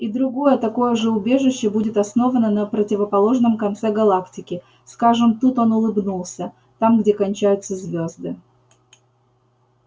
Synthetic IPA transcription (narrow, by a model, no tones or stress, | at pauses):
id̪ɾʊɡo̞jət̪ɐko̞jəʐɛʊbʲe̞ʐɨɕːɪbudʲɪt̪ɐsno̞vənənəpɾətʲɪvəpɐlˠo̞ʐnəmkɐnt̪sɛɡɐlˠaktʲɪkʲɪ | skaʐɨmt̪ut̪o̞nʊlˠɨbnulˠsʲə | t̪amɡdʲe̞kɐnʲt͡ɕæjʊt̪səzʲvʲozd̪ɨ